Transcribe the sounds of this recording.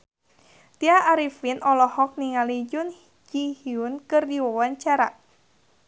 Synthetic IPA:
t̪iaʔːɾifinɔlɔhɔk̚niŋalid͡ʒʊn | d͡ʒihiʊnkɨrdiwɔwaɲt͡ʃaɾa̰ʔ

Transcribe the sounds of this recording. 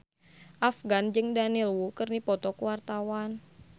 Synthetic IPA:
ʔafɡand͡ʒɨŋdanilwukərnipɔt̪ɔkuwart̪awan

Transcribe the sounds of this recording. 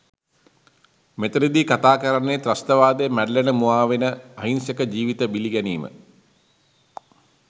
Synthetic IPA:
met̪ɐɾid̪ikat̪aːkɐɾɐɳeːt̪rɐst̪ɐʋaːd̪emæɖəlenəmuaːʋenəɐɦinsɐkəd͡ʑiːʋit̪əbiliɡɛniːmə̰

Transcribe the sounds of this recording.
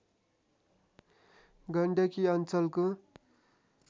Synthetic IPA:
ɡʌɳɖʌkiʌnt͡sʌlko

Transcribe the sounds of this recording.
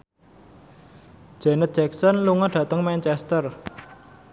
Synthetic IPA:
d͡ʒ̥ɛ̤nət̪̚d͡ʒɛksɔnluŋɔɖ̥ä̤t̪əŋmɛnt͡ʃɛst̪ər

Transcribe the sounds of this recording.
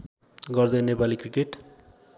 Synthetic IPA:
ɡʌrd̪ʌjnepalikrikeʈ

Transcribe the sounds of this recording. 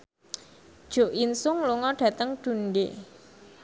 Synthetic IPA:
d̥ʒ̥o̤ʔinsʊŋluŋɔɖ̥ä̤t̪əŋɖ̥ṳnɖe

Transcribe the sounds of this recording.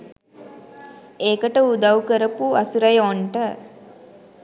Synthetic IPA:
eːkəʈəud̪ɐwkəɾəpuɐsuɾɐjoɳʈə

